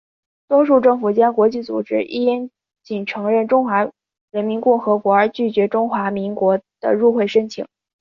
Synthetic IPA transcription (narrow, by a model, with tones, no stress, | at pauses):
t̪wɔ˥ʂ̬u˥˧ʈ͡ʂɤ˥˩ŋfu˨˩t͡ɕjɑ˥ŋkwɔ˧˥t͡ɕi˥˩t͡sṵ˨˩ʈ͡ʂɻ̩˥ʔḭ˥˩jɛ˥n | t͡ɕi˨˩nʈ͡ʂʰɤ˧˥ŋɻə˥˩nʈ͡ʂʊ˥ŋxwa˧˥ | ɻə˧˥nmi˧˥nkʊ˥˩ŋxɤ˧˥kwɔ˧˥ə˞˧˥t͡ɕy˥˩t͡ɕɥɛ˧˥ʈ͡ʂʊ˥ŋxwa˧˥mi˧˥ŋkwɔ˧˥d̪̥ə̰˧ɻu˥˧xwe˥˩ɪʂə˥nt͡ɕʰḭ˨˩˦ŋ